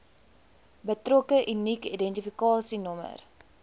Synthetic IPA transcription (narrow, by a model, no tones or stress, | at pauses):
bətrɔkəʔynikidɛntifikɑːsinɔmə̰r